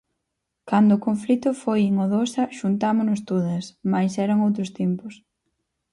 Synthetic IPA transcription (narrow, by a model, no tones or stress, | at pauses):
kand̪ʊːkoɱflit̪ʊfojeŋoðosɐʃunt̪amʊnʊst̪oðɐsmajsɛɾɐŋowt̪ɾʊst̪impʊs